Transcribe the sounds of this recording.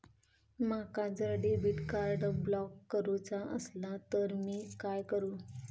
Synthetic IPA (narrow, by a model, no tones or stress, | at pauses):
makad͡zəɖebiʈkaɾɖblɔkːəɾut͡saʔəslat̪əɾmiːkajkəɾuː